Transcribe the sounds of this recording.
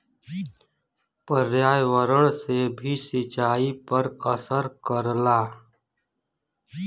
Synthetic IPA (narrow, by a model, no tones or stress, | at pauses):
pəɾjaːjʋəɾəɽ̃sebʱisɪt͡ʃaːipəɾəsəɾkəɾlaː